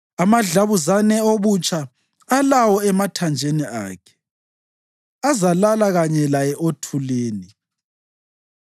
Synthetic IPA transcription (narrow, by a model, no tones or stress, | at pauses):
amaɮaβuzanɛoβut͡ʃʼʰaː | lawɔɛmatʰand͡ʒʱenia̰ːkʰɛ̥ | azalalaɣaɲɛlajɛʔotʰuleːni